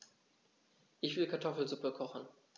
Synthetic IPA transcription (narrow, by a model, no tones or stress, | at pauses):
ʔɪçv̥ɪlkʰaɐtʰɔfl̩zʊpəkʰɔχn̩